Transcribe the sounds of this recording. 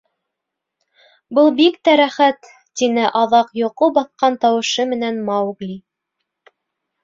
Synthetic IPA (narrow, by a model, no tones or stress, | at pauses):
bɤlˠbikt̪æɾæχæt̪ː | inɘʔɑðɑqjŏqobɑθqɑnt̪ɑwɤ̆ʃɤmɘ̆nænmɑwɡlʲi